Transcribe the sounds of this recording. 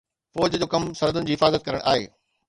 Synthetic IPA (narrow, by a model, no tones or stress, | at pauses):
fɔːd͡ʑəd͡ʑoːkɐmsɐɾəd̪ʊnɪ̆d͡ʑiːɦɪfaːzət̪̚kɐɾəɽ̃ʔa̰ːɦḛː